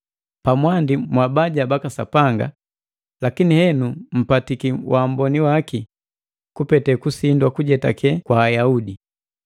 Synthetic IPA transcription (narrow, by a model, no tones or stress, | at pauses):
pamwandimwabaɟabakasapaŋɡa̰ | lakinihɛnum̩patikiwʔam̩bɔniwaki | kupɛtɛkusindwakuɟɛtakɛkwaːjaudi